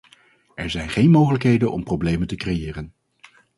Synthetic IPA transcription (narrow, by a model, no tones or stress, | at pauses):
ʔɛɹzɛjnχejnmowχələkɦejdənʔɔ̰mprowblejməntəkrejɪːrən